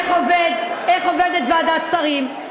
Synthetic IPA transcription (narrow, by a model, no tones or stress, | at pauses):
χoved̪eχoved̪et̪vad̪at͡saʁim